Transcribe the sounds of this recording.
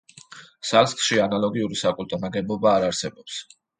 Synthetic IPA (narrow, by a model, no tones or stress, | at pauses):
salskʃianalˠɔɡiuɾisakʼult̪ʼɔnaɡɛbɔbaːɾaɾsɛbɔps